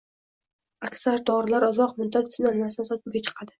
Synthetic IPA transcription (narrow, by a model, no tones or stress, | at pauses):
akʲsaɾd̪ɒɾɪlaɾɒzɒqmʊd̪at̪ɪsɪnalmast̪ansɒt̪̚bʊɡʲat͡ʃʰɨ̥qʰɑd̪ɪ